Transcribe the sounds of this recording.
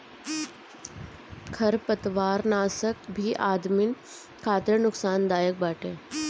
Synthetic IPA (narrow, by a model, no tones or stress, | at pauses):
kʰɐɾpət̪ʋaːɾnaːsək̚bʱiʔaːd̪mɪn | kʰaːt̪ɾənʊksaːnd̪aːjək̚baːʈẽː